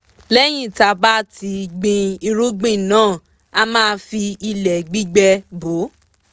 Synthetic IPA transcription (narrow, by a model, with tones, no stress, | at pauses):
lɛ˦j̃ĩ˦˨ta˧ba˦ti˧ɡ͡bĩ˧i˧ɾu˦ɡ͡bĩ˦˨nãː˦˨ | a˧mãː˦˧fi˧i˧lɛ˨ɡ͡bi˦ɡ͡bɛ˧bo˨˦